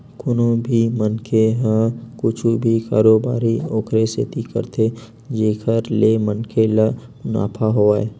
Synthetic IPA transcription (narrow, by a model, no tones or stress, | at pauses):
kʊnõbʱimənkʰeɦãkʊt͡ʃʰubʱika̰ːɾoːbaːɾioːkɾesḛt̪ikə̰ɾt̪ʰe | d͡ʒeːkʰəɾlemənkʰelaʊna̰ːpʰaɦoaːe